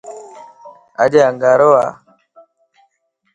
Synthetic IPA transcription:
a̰d͡ʒeaŋɡaɾowa

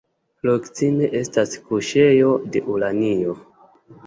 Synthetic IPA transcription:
lokt͡simeʔe̞staskuʃe̞jo̞de̞̰ʔulanio

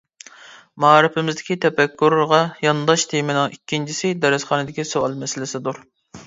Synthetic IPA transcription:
mɑːɾɨpɪmɪzd̪ɪkʲit̪ʰɛpɛkʲʰːuɾɾʁɑjɑnd̪ɑʃt̪ʰemɪnɨŋikʲːint͡ʃʰisɪd̪ɛɾɨsχɑːnɨd̪ɪkʲisoɑlˠmɛsɪlɪsɪd̪uɾ

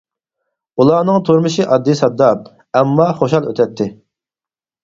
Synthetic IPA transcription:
ulˠɑːnɨŋt̪ʰuɾmɨʃɪʔɑd̪ːɨsɑd̪ːɑp̚ | ɛmːɑχoʃɑlˠøt̪ʰɛt̪ʰːɪ

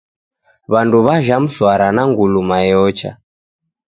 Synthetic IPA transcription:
βanduβaʒam̩swaɾanaŋɡulumajɔt͡ʃa̰

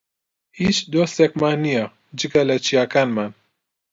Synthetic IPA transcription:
it͡ʃd̪osɛkmanija | d͡ʒɨɡalɛt͡ʃʰijaːkaːnman

